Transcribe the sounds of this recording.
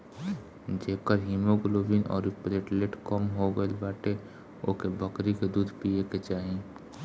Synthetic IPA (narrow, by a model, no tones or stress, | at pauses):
d͡ʒeːkəɾɦiːmoɡʊloːʋiːnɔ̰ːɾɪpɾeʈleːʈkɔmɦoɡəelbaːʈe | o̰ːkebɐkɾiked̪uːd̪ʱpieket͡ʃaːɦĩ